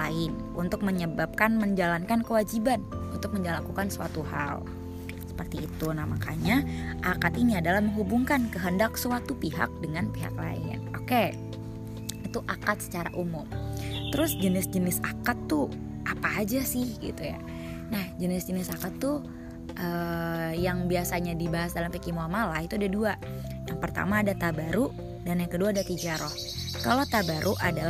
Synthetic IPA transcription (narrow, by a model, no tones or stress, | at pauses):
laɪn | ʔunt̪ʊk̚məɲəbap̚kanməɲd͡ʒalankankəwad͡ʒibanunt̪ʊk̚məɲd͡ʒalakukansəwa̰t̪uha̰l | sə̥pərt̪iːt̪unamakaɲaʔakat̪iniadalahməŋɦubuŋkankəɦəndaksəwat̪upiɦa̰k̚dəŋanpiɦa̰kla̰ɪ̰a̰noke | it̪uʔakat̪sə̥t͡ʃaɾaʔumʊmt̪əɾʊsd͡ʒənɪsd͡ʒənɪsakat̪ːu | ʔapaːd͡ʒasɪhɡḭt̪uja̰ | nahd͡ʒənɪsd͡ʒənɪsakat̪ːu | ʔəːjaŋbiasaɲadibaɦasdalampikimuamalahit̪uadadua | jaŋpərt̪a̰maːdat̪abaɾu | danakəduaːdat̪id͡ʒaɾɔh | kalot̪abaɾʔuʔadal